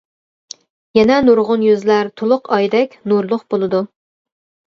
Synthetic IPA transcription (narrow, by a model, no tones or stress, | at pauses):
jɛnɛnuɾʁʊnjøzlæɾt̪ʰolˠʊqɑjd̪ɛkʲnuɾlˠʊqbolˠɨd̪u